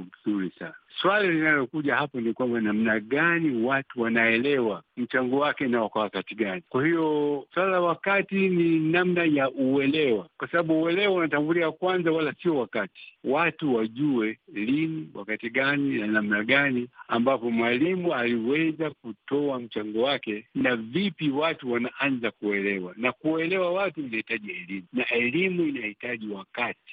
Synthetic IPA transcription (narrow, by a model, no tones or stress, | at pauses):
zuɾisa̰naswalalinalɔkuʄahapɔnikwambanam̩naɠaniwatuwanaɛlɛwam̩t͡ʃaŋɡɔwakɛnaɔkwawakatiɡanikwahijɔswalllawakatininamnajaʔuɛlɛwakwasaɓaɓuːwɛlɛwaunatambulikakwanzawalasiɔwakati̥watuwaʄuwɛliniwa̰katiɡaninanam̩naɡaniambapɔmwalimualiwɛzakutɔam̩t͡ʃaŋɡɔwakɛnavipiwatuwanaʔanzakuɛlɛwanakuɛlɛwawatuinahitaʄiɛlimunaʔɛlimuinahitaʄiwakati̥